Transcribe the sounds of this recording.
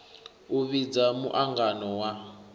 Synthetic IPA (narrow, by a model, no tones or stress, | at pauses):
uβid͡zamṵʔaŋɡanɔwa